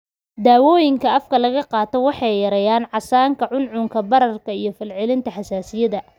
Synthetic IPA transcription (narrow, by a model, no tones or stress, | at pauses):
d̪aːwɔːjɪŋkʰɐɐfkʰɐlɐɣɐqɑːt̪ʰɔwɑħɑjjɐɾɛjaːnʕɑsaːŋkʰɐʕʊnʕʊŋkʰɐbɐɾɐrkʰɐijɞfɪlʕɪlɪnt̪ʰɐħɑsaːsɪjɐðɐ